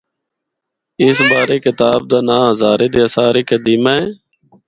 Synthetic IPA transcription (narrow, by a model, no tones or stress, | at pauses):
ɪsbaːɾeːkɪt̪aːb̚d̪aːnãːɦzaːɾeːd̪eːsaːɾeːkəd̪iːmaːeː